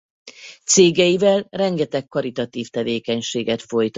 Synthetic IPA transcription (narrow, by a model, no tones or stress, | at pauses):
t̪seːɡɛjivɛlrɛŋɡɛt̪ɛkːɒɾit̪ɒt̪iːft̪ɛveːkɛɲʃeːɡɛt̪fo̞jt̪